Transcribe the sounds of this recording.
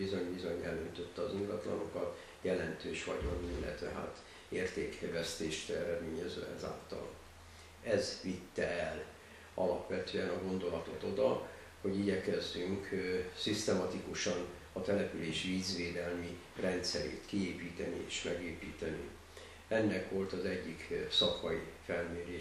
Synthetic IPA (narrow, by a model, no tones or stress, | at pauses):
izo̞ɲbizo̞ɲɛlønt̪ø̞t̪ːɛɒziŋɡɒt̪lɒ̰no̞kɒt̪ | jɛlɛnt̪øːʃʋɒɟɒnminlɛ̰t̪ʋɛɦa̰ːt̪ | eːrt̪eːkʰɛvɛst̪eːʃt̪ɛɾɛd̪meːɲɛzø̰ːɛ̰za̰ːlt̪ɒ̰l | ɛzʋit̪ːɛ̰ɛl | ɒlɒpʋɛt̪øːɛnɒɡo̞nd̪o̞lɒt̪o̞t̪o̞d̪ɒ | ho̞ɟiɟɛkɛzːyŋksist̪ɛmɒt̪ikuʃɒn | ɒt̪ɛlɛpyleːʃiviːzʋeːd̪ɛlmi | rɛnt̪sɛɾḛːt̪kieːpiːt̪ɛnḭḛːʃmɛɡeːpiːt̪ɛnḭ | ɛnːɛkʋo̞lt̪ɒzɛɟːiksɒkɒifɛlmeːɾeː